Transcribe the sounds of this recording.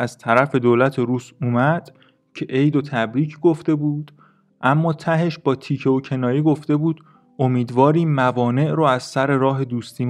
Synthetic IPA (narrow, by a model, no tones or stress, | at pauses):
æz̥t̪ʰæɾæfe̞d̪oːlæt̪ʰeɾuːsuːmæd̪̥ | cʰe̞ʔejd̪ot̪ʰæbɾiːcʰɡo̞ft̪e̞buːd̪̥ | ʔæmːɒːt̪ʰæɦe̞ʃb̥ɒːt̪ʰiːcʰeocʰe̞nɒːjiːɡo̞ft̪e̞buːd̪̥ | omiːd̪vɒːɾiːmːævɒːne̞ʔɾoæz̥sæɾe̞ɾɒːɦe̞d̪uːst̪iːm